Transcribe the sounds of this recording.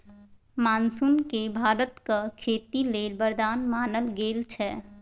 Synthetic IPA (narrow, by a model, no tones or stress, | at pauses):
mansunkebʱaːɾət̪kəkʰet̪ilelbəɾd̪aːnmanəlɡelt͡ʃʰɛ